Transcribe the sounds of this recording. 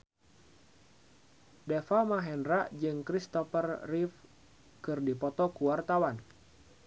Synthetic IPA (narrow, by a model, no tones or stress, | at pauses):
dɛfamaɦɛnɾaʔd͡ʒɨŋkɾist̪ɔfərːif | kɨrdipɔt̪ɔkuwart̪awan